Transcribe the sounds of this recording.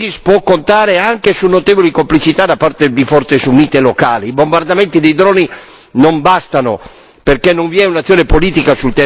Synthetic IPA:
ispwɔkːont̪aːɾeaŋkesunːot̪evolikomplit͡ʃit̪ad̪apːart̪ed̪ifɔrt̪esuniːt̪elokaːliːbombard̪amɛnt̪id̪ejd̪ɾɔːni | nombast̪ano̰ | perkɛnːoɱviɛunat̪sːjoːnepoliːt̪ikasult̪ɛ

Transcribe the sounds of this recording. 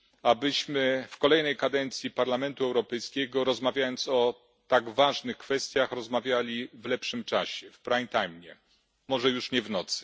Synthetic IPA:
abɘɕmɘfkɔlɛjnɛjkad̪ɛnt̪sʲjipaɾlamɛnt̪uɛwɾɔpɛjskʲɛɡɔɾɔzmavʲjajɔnt̪sɔ | t̪aɡvaʐnɘxkfɛst̪ʲjaxɾɔzmavʲjalʲivlɛpʂɘmt͡ʂaɕɛfpɾajnt̪ajmɲɛ | mɔʐɛjuʂɲɛvnɔt̪sɘ̥

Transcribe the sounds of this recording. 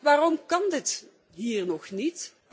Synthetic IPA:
ʋaːrɔmkɑndɪt | ɦiːrnɔχnit

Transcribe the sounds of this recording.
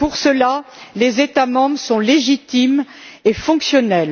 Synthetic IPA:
puʁsəlalezet̪amɑ̃bʁəsɔ̃leʒit̪imefɔ̃ksjɔnɛl

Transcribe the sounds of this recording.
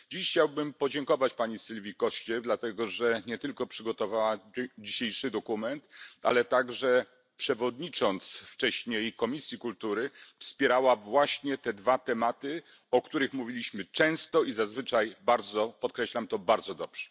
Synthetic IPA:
d͡ʑiɕxt͡ɕawbɘmpɔd͡ʑɛŋkɔvat͡ɕpaɲisɘlvʲikɔɕt͡ɕɛd̪lat̪ɛɡɔʐɛɲɛt̪ɘlkɔpʂɘɡɔt̪ɔvawad͡ʑiɕejʂɘd̪ɔkumɛnt̪a̰lɛt̪aɡʐɛ | pʂɛvɔd̪ɲit͡ʂɔnt̪sft͡ʂɛɕɲejkɔmʲisʲjikult̪uɾɘfspʲjɛɾawavwaɕɲɛt̪ɛd̪vat̪ɛmat̪ɘ | ɔkt̪uɾɘxmuvʲilʲiɕmɘt͡ʂɛ̃w̃st̪ɔizazvɘt͡ʂajbaɾd̪zɔpɔt̪̚kɾɛɕlamt̪ɔbaɾd̪zɔd̪ɔbʐ̥ɛ̥

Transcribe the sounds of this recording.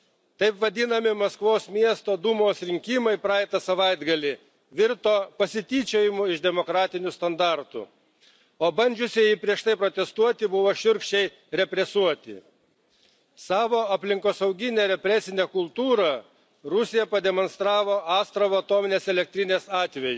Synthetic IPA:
t̪ɐɪpʋɐd̪ʲɪnɐmʲɪmɐskʋoːsmʲiɛst̪oːd̪uːmoːsɾʲɪŋʲkʲimɐɪpɾɑːɛt̪ɐsɐʋɐɪd̪ɡɐlʲɪ | ʋʲɪɾt̪oːpɐsʲɪt̪ʲiːt͡ʃʲeːjɪmʊɪʃd̪ʲɛmokɾɑːt̪ʲɪnʲʊst̪ɐnd̪ɑɾt̪ʊ̰ | oːbɐnʲd͡ʒʲʊsʲɪjɪpʲɾʲiɛʃt̪ɐɪpɾoːt̪ʲɛst̪uɔt̪ʲɪbʊʋoːʃʲʊɾʲkʃʲt͡ʃʲɛɪ | ɾʲɛpʲɾʲɛsuɔt̪ʲɪ̰ | sɑːʋoːɐpʲlʲɪŋkoːsɐʊɡʲɪnʲeːɾʲɛpʲɾʲɛsʲɪnʲeːkʊlˠt̪uːɾɐ | ɾʊsʲɪjɛpɐd̪ʲɛmɔnst̪ɾɑːʋoːʔɑːst̪ɾɐʋoɐt̪oːmʲɪnʲeːsɛlʲɛk̚t̪ʲɾʲɪnʲeːsɑːt̪ʲʋʲɛjʊ

